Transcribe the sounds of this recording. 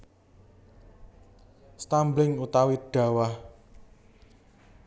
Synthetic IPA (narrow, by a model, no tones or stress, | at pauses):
st̪amblɪŋut̪awiɖ̥ä̤wah